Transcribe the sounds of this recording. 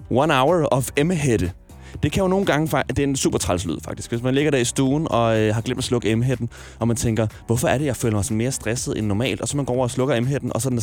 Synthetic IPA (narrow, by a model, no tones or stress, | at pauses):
wɒnäʊɐɒfeməɦed̥ə | d̥e̝kʰæjo̝no̝ːn̩ɡ̥ɑ̈ŋəfd̥e̝ensṵb̥ɐt͡sʰʁɑ̈lslyð̰ˠfɑ̈ɡ̥̚d̥i̥sɡ̥ʋesmænle̝ɡ̥ɐd̥æɐisd̥uːn̩ɒ̽øɦɑ̈ɡ̥lem̰d̥mæslɔ̽ɡ̥əeməɦed̥n̩ | ʔɒ̽mænt͡sʰeŋɡ̥ɐʋɒfɒ̽æɐɾe̝jɑ̈ɪføːlɐmɑ̈ɪsɒme̝ːɐsd̥ʁɛsð̞̩ˠenːɒmɛ̰ːld̥ɒ̽sɒ̽mænɡ̥ɒ̰ːɐːslɔ̽ɡ̥ɐeməɦed̥n̩ʔɒ̽sɒ̥̽n